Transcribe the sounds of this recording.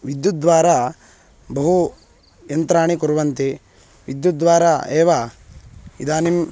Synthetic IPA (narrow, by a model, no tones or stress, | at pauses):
ʋid̪jut̪̚d̪ʋaːɾa | bɐɦu | jɐnt̪ɾaːɳikuɾuʋɐnt̪e | ʋid̪jut̪̚d̪ʋaːɾaeːʋa | ḭd̪aːnim